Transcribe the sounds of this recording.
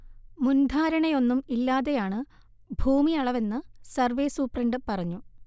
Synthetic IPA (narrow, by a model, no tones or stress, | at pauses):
mund̪ʱaːɾɐɳejo̞nːumilːaːðe̞jaːɳɨ | bʱuːmiɐɭɐʋe̞nːɨsɐrʋe̞ːsuːpreɳɖɨpɐrɐɲːu